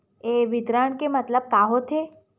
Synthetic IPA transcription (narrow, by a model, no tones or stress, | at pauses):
eʋɪd̪ɾaːɳkemət̪ləb̚kaːɦot̪ʰe